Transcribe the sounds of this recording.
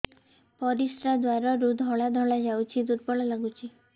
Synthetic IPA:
pɔɾisɾad̪waɾɔɾud̪ʱɦɔɭad̪ʱɔɭad͡ʒawt͡ʃʰid̪uɾpɔɭalaɡut͡ʃʰi

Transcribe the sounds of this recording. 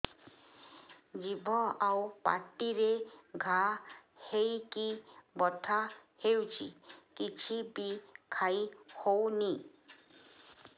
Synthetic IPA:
d͡ʒibʱɔawpa̰ɾʈiɾeɡʱa | hejkibɔt̪ʰahewt͡ʃʰḭkit͡ʃʰibikʰajhowni

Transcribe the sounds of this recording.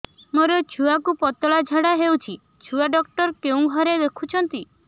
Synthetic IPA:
moɾɔt͡ʃʰuakupɔt̪ɔɭad͡ʒʱaɽaɦewt͡ʃʰi | t͡ʃʰuaɖɔkʈɔɾkeũɡʱɔɾed̪ekʰut͡ʃʰɔnt̪i

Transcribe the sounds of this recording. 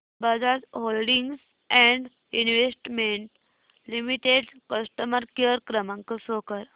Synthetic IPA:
bəd͡zad͡zholɖiŋɡs | ɛ̃ɳɖ | inʋesʈmeɳʈ | limiʈeɖkəsʈəməɾkjəɾkɾəmãŋkəsokəɾ

